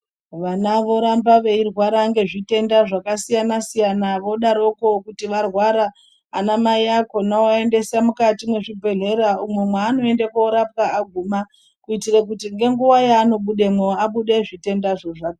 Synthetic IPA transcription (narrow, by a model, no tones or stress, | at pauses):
ʋanaʋo̞ɾambaʋe̞irwaɾaŋɡe̞ʐite̞ndaʐakasijanasijanaʋo̞ɗaɾo̞kokutiʋarwaɾaː | namaiakonaoaende̞samukatimwe̞ʐibʱe̞ɮe̞ɾaumwe̞mwaːno̞endekoːɾap̚kaːɡʱuma | kuitirakutiŋɡe̞ŋɡuʋajaːno̞ɓuɗemweaɓuɗeʐite̞ndaʐoʐaka